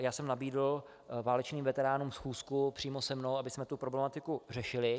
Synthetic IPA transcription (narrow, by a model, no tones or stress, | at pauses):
jaːsɛmnabiːdl̩ | vaːlɛt͡ʃniːmvɛt̪ɛɾaːnuːmfsxuːskupr̥iːmosɛmno̞wʔabɪsmɛt̪upɾo̞blɛmat̪ɪkur̝ɛʃɪlɪ